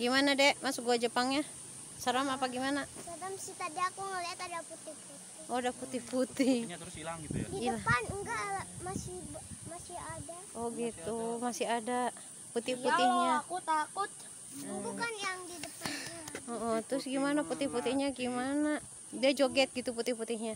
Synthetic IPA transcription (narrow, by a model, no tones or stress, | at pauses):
ɡimanadɛmasuɡuad͡ʒəpaŋɲa | səɾamapaɡimanasadamsit̪adiakuŋalɛat̪adiaput̪ihut̪ | ɔdaput̪ihput̪ihsilaŋdiəlapanŋɡalamasihbmasiadaʔɔɡit̪umasiada | put̪ipuihɲakut̪akut̪̚ | ɔbukanjaŋdidəpanaɔʔɔt̪ɾʊsɡimanaput̪ɪhput̪ihɲaɡimana | diad͡ʒoɡɛt̪̚ɡit̪uput̪ihput̪ɪɦɲa